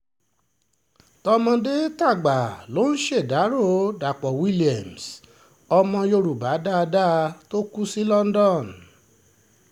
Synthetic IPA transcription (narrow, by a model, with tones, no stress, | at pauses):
tɔ˧mɔ̃˧de˦ta˦˨ɡ͡ba˨lo˨˦n̩˦ʃe˦˨da˨˦ɾo˦˨da˨k͡pɔ˨wi˦li˨ɛ˨ms | ɔ˧mɔ̃˧jo˧ɾu˨ba˨˦da˦˧da˦˧to˦ku˦si˦lɔ˦n˦dɔ˦˨n